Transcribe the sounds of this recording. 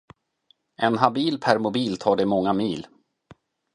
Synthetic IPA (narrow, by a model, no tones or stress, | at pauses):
ʔɛnɦabiːlpʰæɾmʊbiːlt̪ʰɑːɖɛmɔŋːamiːl